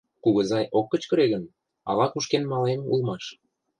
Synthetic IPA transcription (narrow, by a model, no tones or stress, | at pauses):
kuɣə̆zɑjʔokːə̆t͡ɕkə̆ɾeɣən | ɑ̰lɑkuʃkenmɑlemṵlmɑʃ